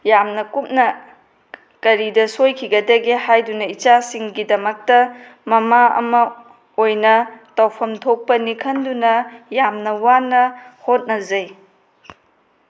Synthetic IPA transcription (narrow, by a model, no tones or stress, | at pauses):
jamnɐkup̚nɐ | kɐɾidɐsojkʰiɡɐdɐɡihajdunɐit͡ʃasiŋɡidɐmɐk̚tɐmɐmaɐ̰mɐ | ojnɐtɐwpʰɐmtʰok̚pɐnikʰɐndunɐjamnɐwanɐhot̚nɐzɐj